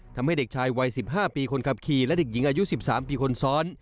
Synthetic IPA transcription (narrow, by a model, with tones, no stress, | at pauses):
t̪ʰa˧mha˥˩jde˨˩k̚t͡ɕʰaː˧jwa˧jsi˨˩p̚ɦaː˥˩piː˧kʰo˧nkʰa˨˧˩p̚kʰiː˨˩lɛ˦˥de˨˩k̚ji˩˦ŋʔaː˧ju˦˥si˨˩p̚saː˩˦mpiː˧kʰo˧nsɔː˦˥n